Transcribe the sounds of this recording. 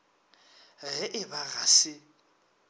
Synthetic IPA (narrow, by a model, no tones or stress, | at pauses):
ɣɪʔɪbaɣasɪ